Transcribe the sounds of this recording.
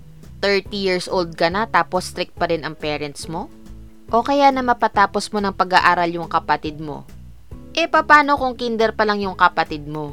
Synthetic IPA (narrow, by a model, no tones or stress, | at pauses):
t̪ɛɹt̪ijiɹsʔold̪̚kɐnat̪aːpost̪ɾɪk̚t̪̚pɐɾɪnɐŋpɛːɾɛnt̪smo̞ | ʔo̞kɐjanɐmɐpɐt̪aːpo̞smo̞nɐŋpɐɡaʔaːɾɐljʊŋkɐpɐt̪ɪd̪̚mo̞̰ | ʔɛpɐpaːno̞kʊŋkind̪ɛɾpɐlɐŋjʊŋkɐpɐt̪ɪd̪̚mo̞